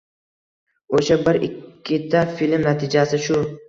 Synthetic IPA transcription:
oʃabɪɾɪkʲʰːɪt̪ʰafilmnat̪ʰɪd͡ʒasɪʃʊ

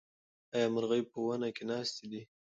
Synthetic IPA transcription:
ɑjɑmaɾɣəjpəwanakenɑst̪id̪i

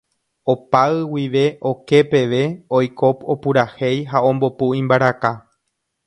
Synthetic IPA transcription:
o̞paɨwiʋe̞ʔo̞ke̞pe̞ʋe̞ojko̞po̞puɾahe̞jɦaõ̞mbo̞puĩmbaɾaka

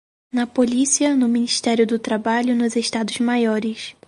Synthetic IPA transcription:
nɐpolisiɐnʊminiʃt̪ɛɾjʊd̪ʊt̪ɾabaʎʊnʊzeʃt̪ad̪ʊzmajɔɾɪs

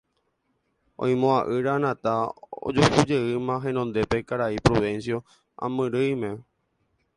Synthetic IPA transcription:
õ̰j̃mõaʔɨɾanãt̪ao̰d͡ʒokud͡ʒe̞ɨmãɦẽ̞nõnd̪e̞pe̞kaɾaipɾoʋensjo̞ | ã̰mɨ̃ɾɨjmẽ

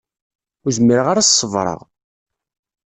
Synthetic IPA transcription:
ʊzmiɾʁaɾassˤːəvɾˤə̰ʁ

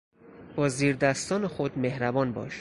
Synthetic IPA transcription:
b̥ɒːziːɾd̪æst̪ɒːnexod̪mehɾæbɒːnbɒ̰ːʃ

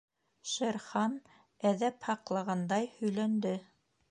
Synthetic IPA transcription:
ʃeɾχɑn | æðæphɑqlˠɑʁɑnd̪ɑjhɵ̆jlænd̪ɘ

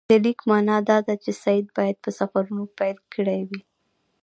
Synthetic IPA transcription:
əlikmɑnɑd̪ɑd̪at͡ʃesajid̪̚bɑjad̪̚pəsafaɾunopajlkəɽajwi

